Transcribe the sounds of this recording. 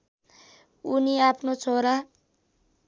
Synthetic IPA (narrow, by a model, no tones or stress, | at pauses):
uniapʰnot͡sʰoɾa